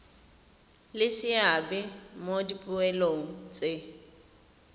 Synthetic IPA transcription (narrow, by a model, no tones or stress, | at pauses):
lɪsɪabɛmodipʼʊɛloŋ̩t͡sʼɪ